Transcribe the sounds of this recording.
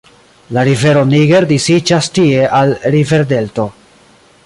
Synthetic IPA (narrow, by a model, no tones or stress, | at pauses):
laɾive̞ɾo̞niɡe̞ɾdisid͡ʒastie̞ʔalɾive̞ɾde̞lto̞